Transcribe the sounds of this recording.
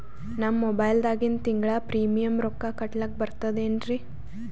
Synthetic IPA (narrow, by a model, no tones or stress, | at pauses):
nɐmːobɐjld̪aːɡint̪iŋɡɭɐpɾiːmijɐmɾɔkːakɐʈlɐk̚bɐɾt̪ɐd̪eːnɾi